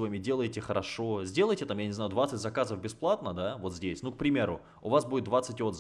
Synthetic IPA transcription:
vamʲɪdʲelˠəjtʲɪxəɾɐʂo̞zʲdʲe̞lˠəjtʲɪt̪amjanʲɪzajʊd̪vat̪sɨtʲzɐkazəfbʲɪsplˠat̪nəd̪avo̞t̪zʲdʲesʲnuk̚pɾʲɪmʲe̞ɾʊ | ʊvasbudʲɪt̪d̪vat̪sɨtʲot̪z

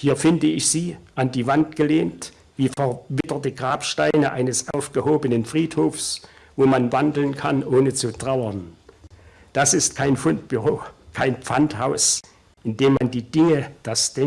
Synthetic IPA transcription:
hiːɐfɪndəɪçz̥iːʔandiːvantɡ̥əleːnt | v̥iːfɛɐvɪtɐtəɡʁaːpʃtaɪnəʔaɪnəsʔaʊfɡ̥əhoːbənənfʁ̥iːthoːfs | voːmanvandl̩nkʰanʔoːnət͡sutʁ̥aʊɐn | d̥asɪstkʰaɪnfʊntb̥yʁoːkʰaɪnpp͡fanthaʊs | ʔɪndeːmːandiːdɪŋəd̥asd̥ɛ

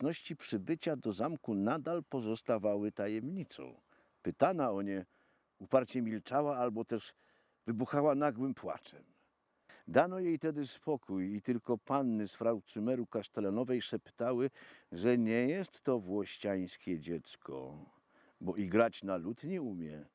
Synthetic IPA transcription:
nɔɕt͡ɕipʂɘbɘt͡ɕad̪ɔzamkunad̪alpɔzɔst̪avawɘt̪ajɛmɲit̪sɔ̰̃w̃ | pɘt̪anaɔɲɛ | upaɾt͡ɕɛmʲilt͡ʂawaalbɔt̪ɛʐ | vɘbuxawanaɡwɘmpwa̰t͡ʂɛm | d̪anɔjejt̪ɛd̪ɘspɔkujit̪ɘlkɔpanːɘsfɾawt̪sumɛɾukaʂt̪ɛlɛnɔvɛjʂɛpt̪awɘʐɛɲɛjɛst̪ːɔvwɔɕt͡ɕaj̃skʲɛd͡ʑɛt̪skʰɔ̰ | bɔʔiɡɾat͡ɕnalut̪ɲɛumʲjɛ

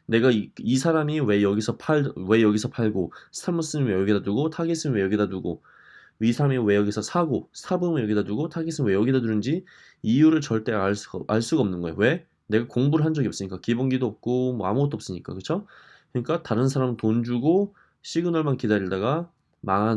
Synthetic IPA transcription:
ne̞ɡaiisʰaɾamiwe̞jʌɡisʰʌpʰaɭwe̞jʌɡisʰʌpʰaɭɡosʰtʰaɭmʌs͈ɯminwejʌɡidatuɡotʰaɡis͈ɯmnwe̞jʌɡidatuɡo | isʰaɾamiwe̞jʌɡisʰʌsʰaɡosʰabɯmɯjʌɡidaduɡotʰaɡis͈ɯmnwe̞jʌɡidaduɾɯnd͡ʑi | ijuɾɯɭt͡ɕʌɭt͈e̞aɭs͈ʔaɭs͈uɡaʌmnɯnɡʌejo̰we̞ | ne̞ɡakoŋbuɾɯɭɦand͡ʑʌɡiʌps͈ɯɲik͈akibonɡidoʌp̚k͈omwʌamuɡʌt͈̚oʌp̚s͈ɯɲik͈a̰kɯt͡ɕʰo | kɯɲik͈ataɾɯnsʰaɾamɯntond͡ʑuɡo | ɕʰiɡɯnwʌɭmankidaɾiɭdaɡa | maɦa

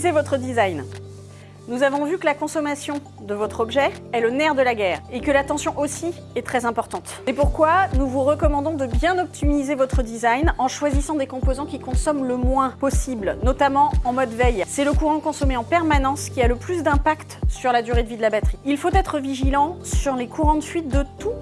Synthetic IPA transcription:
zevɔt̪χəd̪izajn | nuzavɔ̃vykəlakɔ̃sɔmasjɔ̃ | d̪əvɔt̪χɔbʒɛɛlənɛʁd̪əlaɡɛːʁekəlat̪ɑ̃sjɔ̃ʔosi | ɛt̪χɛzɛ̃pɔʁt̪ɑ̃t̪sepuʁkwanuvuʁəkɔmɑ̃d̪ɔ̃d̪əbjɛ̃nɔp̚t̪imizevɔt̪χəd̪izajnɑ̃ʃwazisɑ̃d̪ekɔ̃pozɑ̃kʲikɔ̃sɔmləmwɛ̃pɔsiblnɔt̪amɑ̃ɑ̃mɔd̪vɛjsɛləkuʁɑ̃kɔ̃sɔmeɑ̃pɛʁmanɑ̃skʲialəplysd̪ɛ̃pakt̪syʁlad̪yʁed̪əvid̪əlabat̪χiilfot̪ɛt̪χəviʒilɑ̃syʁlekʰuʁɑ̃d̪əsɥit̪̚d̪ət̪u

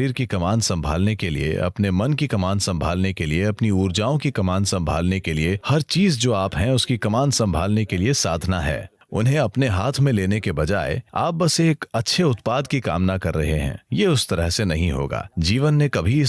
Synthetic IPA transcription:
iːɾkikɐmaːnsɐ̃mbʱa̰ːlnekelḭḛʔɐ̰pnemɐnkikɐmaːnsɐ̃mbʱaːlnekelieɐpniuːɾd͡ʒaːõkikɐmaːnsɐ̃mbʱa̰ːlnekeliehɐɾt͡ʃiːzd͡ʒoːaːpɦɛ̃ʊskikɐmaːnsɐ̃mbʱaːlnekeliesaːd̪ʱnaɦɛ̰ː | ʊ̰nɦẽɐpneɦaːt̪ʰmẽleːnekebɐd͡ʒa̰ːḛa̰ːp̚bɐseːkɐtːʃʰeʊt̪paːd̪kika̰ːmnakɐɾːɐɦeɦɛ̰̃ːjeːʊst̪ɐɾəɦsenɐɦĩɦo̰ːɡa̰ːd͡ʒiːʋənːẽkɐbʱiɪ

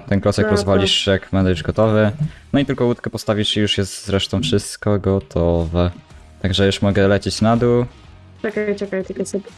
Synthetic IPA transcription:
t̪ɛnkɾɔsɛkɾɔzzvalʲiʂjakmɛnd̪auʐɡɔt̪ɔvɘnɔit̪ɘlkɔwut̪kɛpɔst̪avʲiʂijuʂjɛst̪z̥ɾɛʂt̪ɔ̃w̃fʂɘst̪kɔɡɔt̪ʰɔvɛ | t̪aɡʐɛjuʂmɔɡɛlɛt͡ɕet͡ɕnad̪u | t͡ʂɛkajt͡ʂɛkajt̪ɘkɔsɛpʲ

